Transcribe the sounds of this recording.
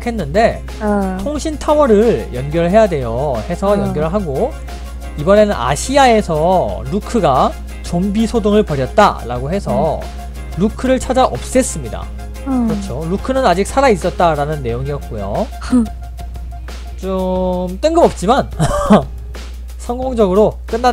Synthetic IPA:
kʰe̞nːɯnde̞ | tʰoŋɕʰintʰawʌɾɯɭjʌnɡjʌɭɦe̞jadwe̞johe̞sʰʌjʌnɡjʌɭɦaɡo | ibʌne̞nɯnʔa̰ɕʰiae̞sʰʌɾukʰɯɡa | t͡ɕombisʰodoŋɯɭpʌɾjʌt̚t͈a̰ɾaɡoɦe̞sʰʌ | ɾukʰɯɾɯɭt͡ɕʰad͡ʑaʔʌp̚s͈e̞s͈ɯmɲida̰ | kɾʌt͡ɕʰoɾukʰɯnɯnad͡ʑik̚sʰaɾais͈ʌt̚t͈aɾanɯnːe̞joŋijʌk̚k͈ojo̰ | t͡ɕomt͈ɯŋɡɯmʌp̚t͡ɕ͈iman | sʰʌŋɡoŋd͡ʑʌɡɯɾok͈ɯnːa

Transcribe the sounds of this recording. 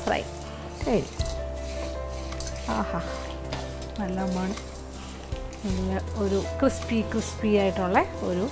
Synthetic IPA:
frɐ̰j̰ | kɐɾi | aːhaː | nɐlːɐumːaːɳɨ | eɡileoɾukrɨspikrɨspiaːjiʈːuɭːeo̰ɾu

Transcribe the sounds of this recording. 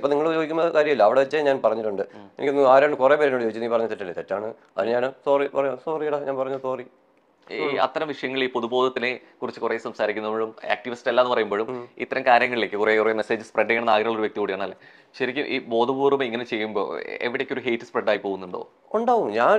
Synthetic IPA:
iponiŋːɐɭjoːɡikʲunːɐðkaːɾjɐmilːɐɐʋiɽeʋɐt͡ɕːaɲaːnpɐrɐɲːiʈːuɳɖɨenikʲːnːaːɾeːɳɖɨkurepeɾenoːɽd͡ʑoːit͡ɕːunːipɐrɐɲːɐt̪eʈːɐlːet̪etːaːɳɨ | ɐ̰ðinɲaːnsoːripɐrɐɲosoːriɐɽɐɲaːnpɐrɐɲːɐsoːri | ɐ̰t̪ːɐɾɐmʋiʂɐjɐŋːɐɭiːpo̞ðubo̞ːd̪ɐt̪ːinekurit͡ɕːɨkure̞ːsɐmsaːɾikʲːunːɐoɻuma̰ːk̚ʈiʋistelːaːenːɨpɐrɐjumboɻumit̪ːɐɾɐmkaːɾjɐŋːɐɭile̞ːkːɨkurekureme̞se̞ːd͡ʑɨspreɖːɐjeɳɐnːaːɡiɾuɭːoɾuʋek̚t̪ikuːɽijaːɳɐlːḛ | ɕɐɾikʲːumʔḭːbo̞ːd̪ʱɐbuːrumeiŋːɐne̞t͡ɕe̞jːumbo̰ːḛʋiɽekʲːoɾuɦe̞jtːɨ̥spreɖːaːjipo̞ːɣunːuɳɖo̰ː | uɳɖaːʋumɲaːn

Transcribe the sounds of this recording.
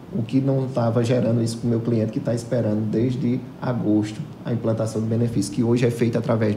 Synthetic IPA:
ʊkɪnɐ̃w̃t̪avɐʒɛɾɐ̃nd̪ʊisʊ̥kõmewkliẽnt̪ɪ̥kɪt̪aispɛɾɐ̃nd̪ʊd̪ezd̪ɪ | a̰ɡoʃt̪ʊ | ɐ̰ĩmplɐ̃nt̪asɐ̃w̃d̪ɪbẽnefisjʊ̥kɪoʒɪɛfejt̪ʊat̪ɾavɛ

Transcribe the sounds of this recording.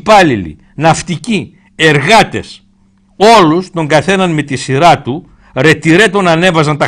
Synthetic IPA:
pɐlilḭ | nɐft̪ici | e̞ɾɣɐt̪e̞s | o̞lust̪o̞ŋɡɐθe̞nɐnme̞t̪isiɾɐt̪u | ɾe̞t̪iɾe̞t̪o̞nɐne̞vɐzɐnt̪ɐ

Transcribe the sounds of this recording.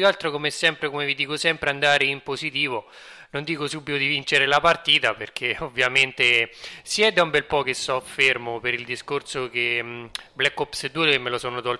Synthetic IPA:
alt̪ɾokomesɛmpɾekomevid̪iːkosɛmpɾeand̪aːɾeimpozit̪iːvo | nond̪iːkosubːit̪od̪ivint͡ʃeɾelapart̪iːt̪aperk̟ʰeovːjament̪esjɛd̪aumbɛlpɔk̟esɔfermopeɾild̪iskorsok̟eblɛkːɔpsed̪ːuemːelosɔːnot̪ɔl

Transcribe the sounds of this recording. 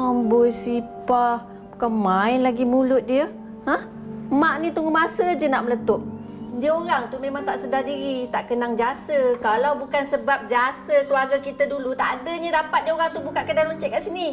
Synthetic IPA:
əmbɔjsipah | kəmãɪnlaɡimulʊt̪̚diə | hə̃h | maʔnit̪uŋɡumasəd͡ʒənaʔmələt̪ʊp̚ | diəoɾaŋt̪umemaŋt̪aʔsədadiɾit̪aʔkənaŋd͡ʒiasəkalawbukansəbap̚d͡ʒasəkəluaɡakit̪adulut̪aʔdəɲadapat̪̚diəoɾaŋt̪ubukat̪̚kəndalɾuɲt͡ʃɛʔ̚kaʔsini

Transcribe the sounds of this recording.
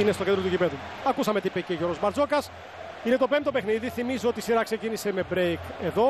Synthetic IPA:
inest̪o̞cend̪ɾotucipe̞ðu | ɐkusɐme̞t̪ipeceʝo̞ɾozmɐɾd͡zo̞kɐs | ine̞t̪o̞pe̞mt̪opexniðiθimizoot̪isiɾɐkse̞cinise̞me̞bɾejke̞ðo̞

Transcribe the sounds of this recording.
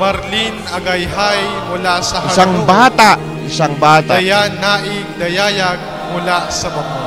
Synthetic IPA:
mɐɾlinɐɡɐjɦajmʊlasɐhɪɐsaŋbaːt̪aʔ | ʔɪsaŋbaːt̪aɐjanaʔɪ | d̪ɐjaːjɐɡ̚ | mʊlasɐbɐɡo

